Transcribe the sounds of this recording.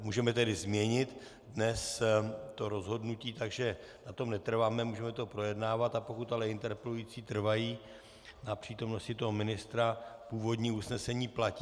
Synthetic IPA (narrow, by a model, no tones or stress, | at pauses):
muːʒɛmɛt̪ɛdɪzmɲɛɲɪt̪ | dnɛst̪o̞ɾo̞zɦo̞dnuciːt̪aɡʒɛ | nat̪o̞mnɛt̪r̩vaːmɛmuːʒɛmɛt̪o̞pɾo̞jɛdnaːvat̪apo̞kut̪alɛɪnt̪ɛɾpɛlujiːt͡siːt̪r̩vajiː | napr̝̥iːt̪o̞mno̞scɪt̪o̞ɦomɪnɪst̪ɾapuːvo̞dɲiːusnɛsɛɲiːplaci